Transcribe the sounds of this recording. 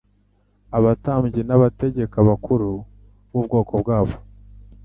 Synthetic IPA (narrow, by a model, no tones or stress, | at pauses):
aβataːmɟenaβate̞ɟe̞kaβakuɾu | βub̚ɡo̞ːkobɡaːβo̞̥